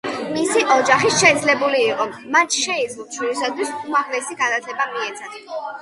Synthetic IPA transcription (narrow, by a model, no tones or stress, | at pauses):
misiʔɔd͡ʒaχiʃɛd̪zlɛbuliːqʼɔmant͡ʃʰʃɛid̪zluʃʰwiɾisad̪ʰwisuaʁlɛsiɡanat̪ʰlɛbamiɛt̪sʰat̪ʰ